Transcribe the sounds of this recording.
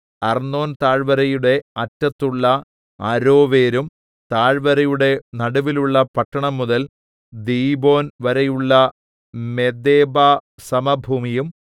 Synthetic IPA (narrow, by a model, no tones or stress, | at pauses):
ɐrnːo̞ːnt̪aːɻʋɐɾɐjuɽe̞ɐtːɐt̪ːuɭːɐ | ɐɾo̞ːʋe̞ːɾum | t̪aːɻʋɐɾɐjuɽe̞nɐɽuʋiluɭːɐpɐʈːɐɳɐmːuðɐl | d̪iːbo̞ːnʋɐɾɐjuɭːɐ | me̞d̪eːbaːsɐmɐbʱuːmijum